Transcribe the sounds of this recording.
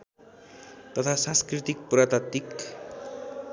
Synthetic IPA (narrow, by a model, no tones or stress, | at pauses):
t̪ʌt̪ʰasãnskrit̪ik̚prat̪at̪ik